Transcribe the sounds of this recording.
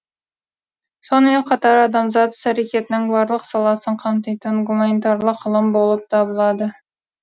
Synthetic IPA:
so̞nəme̞ɴqʰɑt̪ɑɾɑd̪ɑmzɑt̪sæɾekʲe̞t̪ɪnɪŋbɑɾlˠəqsɑlˠɑsəɴqʰɑmt̪ɑjt̪əɴɡumanit̪ɑɾlˠəqːəlˠəmbo̞lˠəp̚t̪ʰɑbəlˠɑd̪ə

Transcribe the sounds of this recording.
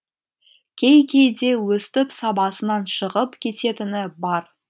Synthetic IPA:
kʲʰe̞jkʲʰejd̪e̞wɵst̪ɪpsɑbɑsənɑnʃəʁəpkʲʰe̞t̪e̞t̪ɪnɪbɑɾ

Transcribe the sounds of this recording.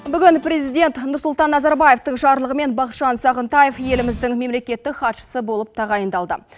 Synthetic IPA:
bʏɡʲɪnpɾʲe̞zijd̪ʲe̞nt̪nʊɾsʊlˠt̪ɑnːɑzɑɾbɑje̞ft̪əɴʃɑɾlˠəʁəme̞nbɑqʃɑnsɑʁənt̪ɑje̞fje̞lɪmɪzd̪ɪŋme̞mle̞kʲe̞t̪ːɪkχɑt̪ʃə̥səbo̞lˠəp̚t̪ʰɑʁɑjənd̪ɑlˠd̪ə̰

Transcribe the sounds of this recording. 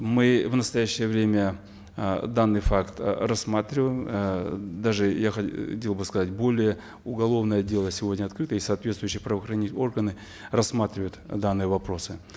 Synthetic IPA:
mɨvnəst̪ɐjæɕːɪjəvɾʲemʲə | d̪anːɨjfakt̪rɐsmat̪ɾʲɪvəjɪm | d̪aʐɨjaxɐtʲelˠbɨskɐzat̚ʲbo̞lʲɪjə | ʊɡɐlˠo̞vnəjədʲe̞lˠəsʲɪvodʲnʲəɐt̪kɾɨt̪əisɐaːt̪vʲet̪st̪vʊjɕːɪjəpɾəvəxɾɐnʲitʲo̞rɡənɨ | rɐsːmat̪ɾʲɪvəjʊt̪d̪anːɨjəvɐpɾo̞sɨ

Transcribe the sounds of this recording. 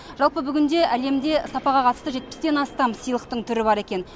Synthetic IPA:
ʒɑlˠpəbʏɡʲɪnd̪e̞ʔæle̞md̪e̞sɑpɑʁɑqʰɑt̪ə̥st̪əʒe̞t̪̚pɪ̥st̪e̞nɑst̪ɑmsijlˠəq̚t̪əɴt̪ʰʏɾɪbɑɾe̞kʲe̞n

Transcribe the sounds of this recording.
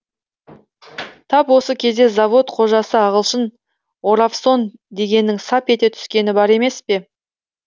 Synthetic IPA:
t̪ʰɑpwo̞səkʲʰe̞zd̪e̞zavo̞t̪qʰo̞ʒɑsəɑʁəlˠʃən | o̞ɾafso̞nd̪e̞ɡʲe̞nːɪŋsɑpe̞t̪e̞t̪ʰʏ̥skʲe̞nɪbɑɾe̞me̞spe̞

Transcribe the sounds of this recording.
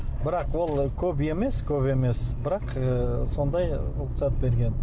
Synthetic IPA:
bɪɾɑqwo̞lˠkʲʰɵbe̞me̞skʲʰɵpe̞me̞sbɪɾɑqəso̞nd̪ɑjʊq̪sɑt̪̚be̞ɾɡʲe̞n

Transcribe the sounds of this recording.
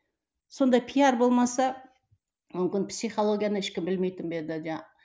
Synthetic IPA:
so̞nd̪ɑjpʰijɑɾbo̞lˠmɑsɑ | mʏmkʲɪnpsʲijχo̞lˠo̞ɡʲijanəɪʃkʲɪmbɪlme̞jt̪ɪmbed̪ɪd͡ʒ̪æ

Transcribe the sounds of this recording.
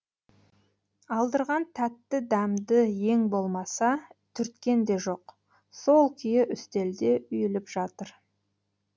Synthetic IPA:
ɑlˠd̪əɾʁɑnt̪ʰæt̪ːɪd̪æmd̪əje̞ŋbo̞lˠmɑsɑt̪ʰʏɾt̪kʲe̞nd̪e̞ʒo̞q | so̞lˠkʲʰʏjɪʔʏst̪e̞ld̪e̞ʏjɪlɪpʒɑt̪əɾ

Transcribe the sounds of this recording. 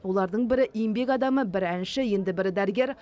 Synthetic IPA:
wo̞lˠɑɾd̪əɴbɪɾɪʔijɪmbe̞kɑd̪ɑməbɪɾænʃɪje̞nd̪ɪbɪɾd̪æɾɪɡʲe̞ɾ

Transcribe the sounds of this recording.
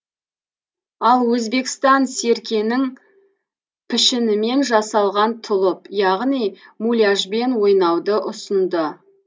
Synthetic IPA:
ɑlˠwɵzbe̞kst̪ɑnse̞ɾkʲe̞nɪŋ | pʰɪʃɪnɪme̞nʒɑsɑlˠʁɑnt̪ʰʊlˠəpjɑʁnijmulʲaʒbe̞nwo̞jnɑwd̪əʔʊsənd̪ə

